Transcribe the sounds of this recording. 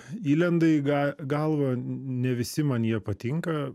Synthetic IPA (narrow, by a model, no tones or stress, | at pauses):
iːlʲɛnd̪ɐɪɡɐɡɐlˠʋɐnʲɛʋʲɪsʲɪmɐnjiɛpɐt̪ʲɪŋkɐ